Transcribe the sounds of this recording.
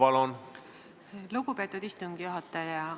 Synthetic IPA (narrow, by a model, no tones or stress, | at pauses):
ɑlon | luɡupe̞ːt̪ːˑud̪̥ist̪uŋɡ̥ijuɦɑt̪ːˑɑjɑ